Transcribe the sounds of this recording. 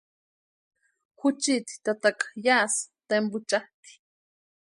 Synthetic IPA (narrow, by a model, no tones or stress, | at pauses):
xʊt͡ʃit̪i̥t̪at̪akḁjaːst̪embʊt͡ʃaht̪i̥